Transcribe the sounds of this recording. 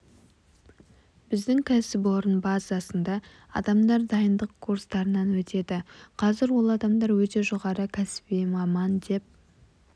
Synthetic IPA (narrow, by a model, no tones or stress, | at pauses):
bɪzd̪ɪŋkʲʰæsɪp̬o̞ɾənbɑzɑsənd̪ɑ | ɑ̰d̪ɑmd̪ɑɾd̪ɑjənd̪əqkʰːuɾst̪ɑɾənɑnwɵt̪e̞d̪ɪqʰɑzɪɾwo̞lˠɑd̪ɑmd̪ɑɾwɵt̪e̞ʒoʁɑɾəkʲʰæsɪ̥bejmɑmɑnd̪e̞p̚